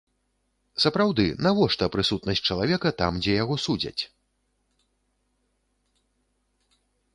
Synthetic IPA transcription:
sɐpɾawd̪ɨnavɔʂt̪ɐpɾɨsut̪nɐsʲt͡s̚ʲt͡ʂɐlˠavʲɛkɐt̪amd͡zʲɛjaɣɔsud͡zʲɐ̰t͡sʲ

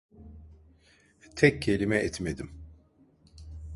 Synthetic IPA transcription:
t̪ʰɛcːʰe̞lʲimɛɛt̪med̪im

